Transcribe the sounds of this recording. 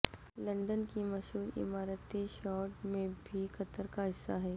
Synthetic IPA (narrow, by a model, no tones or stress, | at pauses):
lɐ̃ɳɖənkimɐʃɦuːɾɪ̰maːɾət̪iʃɔːʈmẽbʱikɐt̪əɾkaɦɪsːaɦɛː